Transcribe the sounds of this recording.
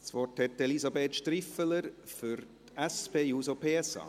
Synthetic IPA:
sʋɔrthɛt̪ɛlisɑbeːt̪ʃtɾifələɾfʏɾtæspeːjuːsopʰeːɛsɑ̰ː

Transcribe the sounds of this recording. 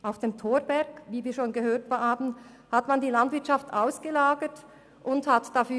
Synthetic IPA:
ʔaʊfd̥eːmtʰoːɾbɛɐɡ̥viːviːɐʃoːnɡəhøːɐtvaːbn̩ | hatmandiːlandv̥ɪɐtʃaftʔaʊsɡ̥əlaːɡət | ʔʊnthatd̥afyː

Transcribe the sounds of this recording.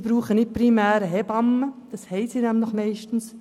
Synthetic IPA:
b̥ɾuːχənɪt̚pɾimæːɾəɦɛb̥ɑmːəd̥ɑshɛɪsiːnæmləχmɛɪʃtn̩s

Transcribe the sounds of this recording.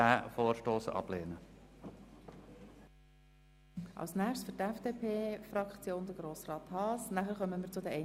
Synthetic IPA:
æːfoːɾʃtoːsɑ̰b̥leːnə | ʔɑ̰lsnæːχtsfʏɾtɛfd̥epʰeːfɾɑkt͡sjoːnd̪əɡ̥ɾoːsrɑːt̪hɑːsnæχəɾχœməmɪɾt͡sʊdɛɛ

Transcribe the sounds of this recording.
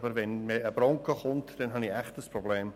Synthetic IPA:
bəɾʋɛnmeəbɾɔŋkəχʊntd̥ɛnɦɑniæχtəspɾɔbleːm

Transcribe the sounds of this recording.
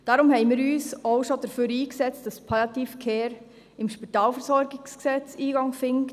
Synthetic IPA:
d̥ɑɾʊmhɛɪmɪːɾyːsoʊʃodəɾføːɾiːksɛt͡std̥ɑspʰɑlɑt̪iːfkʰeːɾ | ɪmʃpitɑːlfəɾsɔɾɡɪɡsksɛt͡siːɡɑŋfɪŋk

